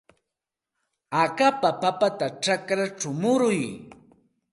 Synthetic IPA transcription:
akapapapat̪aʈ͡ʂakɾaʈ͡ʂʊmʊɾʊj

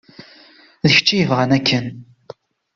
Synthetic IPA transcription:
ðəç̥t͡ʃːijəvʁənækːən

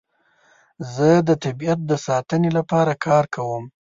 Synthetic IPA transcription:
zəd̪ət̪abiat̪̚d̪əsɑt̪ənelapɑɾakʰɑɾkʰawəm

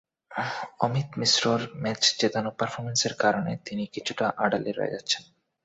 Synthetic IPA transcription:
ɔmit̪misɾoɾmɛt͡ɕt͡ɕet̪anopəɾfʰoɾmenseɾkaɾonet̪inikit͡ɕʰuʈaʔaɖaleɾɔ̰ḛd͡ʑatːɕʰen

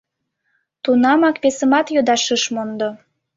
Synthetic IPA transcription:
t̪unɑmɑkpesəmɑt̪jod̪ɑʃəʃmond̪o

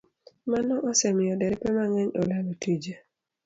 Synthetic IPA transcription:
manɔʔɔsɛmɪɔdɛɾɛpɛmaŋɛɲo̰lalotid͡ʒe

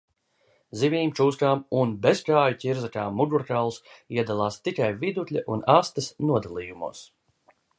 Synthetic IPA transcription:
zivʲiːmt͡ʃuːskaːmunbeskaːjucʲiɾzakaːmːuɡuɾkalˠsiɛd̪alˠaːst̪ikajvid̪ut̪ʲlʲaʔunaːst̪ɐsnuɔd̪alˠiːjumṵɔs

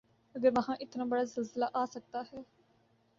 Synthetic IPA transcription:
əɡəɾʋəɦãːʔɪt̪nãːbəɽaːzɪlzəlaːʔaːsək̚d̪aːɦɛː

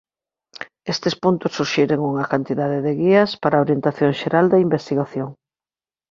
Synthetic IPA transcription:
est̪espunt̪ʊsːuɾʃiɾeŋuŋɐkant̪iðaðɪðeɣiɐspaɾaoɾjent̪aθjoŋʃeɾald̪ɐimbest̪iɣaθjoŋ

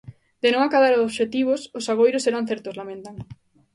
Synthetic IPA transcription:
d̪enõŋakaðaɾoβʃet̪iβ̞ʊsʊsaβojɾʊseɾan̟θɛɾt̪ozlamẽnt̪aŋ

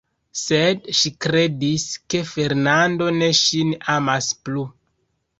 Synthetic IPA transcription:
sedʃikɾe̞diske̞fe̞ɾnando̞ne̞ʃinamasplu

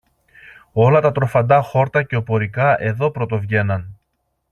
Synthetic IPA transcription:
o̞lɐt̪ɐt̪ɾo̞fɐnd̪ɐxo̞ɾt̪ɐce̞o̞po̞ɾikɐʔe̞ðo̞pɾo̞t̪o̞vʝe̞nɐn

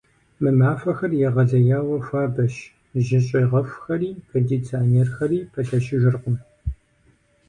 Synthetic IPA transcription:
mɨmaːfɐxɐrjɛʁɐzɐjaːwɐfʷaːbɐʃ | ʒɪɕʼeʁɐfxɐriːpʰedit͡sʰaːneːrxɐriːpʰɐɬɐʃɪʒɪrqʷʊm

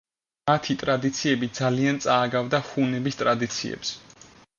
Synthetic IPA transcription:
mat̪ʰit̪ʼɾad̪it̪sʰiɛbid̪zaliant̪sʼaːɡavd̪aχunɛbist̪ʼɾad̪it̪sʰḭɛ̰ps

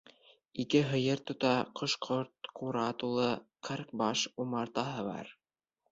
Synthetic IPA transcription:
ikɘɦɤ̆jɤɾt̪ŏt̪ɑqŏʃqʰoɾt̪̚quɾɑt̪ulˠɤqʰɤɾk̚bɑʃumɑɾt̪ɑɦɤβɑ̰ɾ

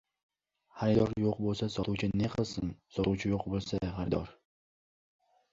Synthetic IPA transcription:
haɾɪd̪ɒɾjoqbolˠsasɒt̪uwt͡ʃʰɪneqʰɨlˠsɪnsɒt̪uwt͡ʃʰɪjoqbolˠsaχaɾɪd̪ɒɾ

